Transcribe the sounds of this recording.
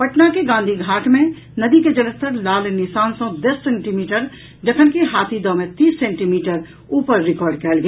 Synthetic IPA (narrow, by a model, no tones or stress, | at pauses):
pəʈnakeɡãːnd̪ʱiɡʱaːʈʰmẽ | nəd̪iked͡ʒələst̪əɾlaːlnɪsaːnsə̃d̪əsːẽɳʈimiːʈəɾ | d͡ʒəkʰənkeɦaːt̪ʰid̪ɔ̃ːmẽt̪iːsːẽɳʈimiːʈəɾ | uːpəɾːɪkɔːɾɖkɛːlɡe